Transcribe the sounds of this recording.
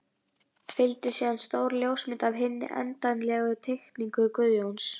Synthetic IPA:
fɪlt̪ɪsiːðanst̪oːwɾljowsmɪnt̪avɦɪnːɪ̰ʔɛ̰nt̪ajnlɛɣʏt̪ʰext̪niŋkʏkʏðjowns

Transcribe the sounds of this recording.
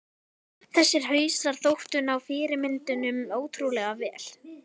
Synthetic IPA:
θɛsːɪɾ̥ɦœːjsaɾ̥θowht̪ʏnawfɪːɾɪmɪnt̪ʏnʏmoːwt̪ʰɾulɛɣavɛːl

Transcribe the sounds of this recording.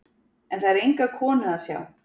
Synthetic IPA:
ɛnθaɾejŋkakʰɔːnʏðasja̰ːw

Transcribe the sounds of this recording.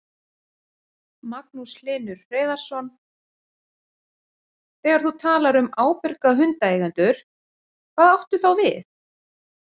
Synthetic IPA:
mak̚nuslɪːnʏɾːeːðaɾ̥sɔn | θɛːɣaɾ̥θut̪ʰaːlaɾʏmaːwpɪɾkaɦʏnt̪aeːjɣant̪ʏɾ̥ | kʰv̥aːðawht̪ʏθawvɪθ

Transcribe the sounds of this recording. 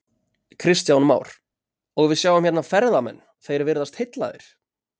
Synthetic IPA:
kʰɾɪst̪jawnma̰ːwɾ̥ | ɔɣvɪðsjaːwvʏm̥hçɛt̪nafɛɾðamɛ̰nː | θejɾɪɾvɪɾðast̪hɪt̪la̰ðɪ̰ɾ̥

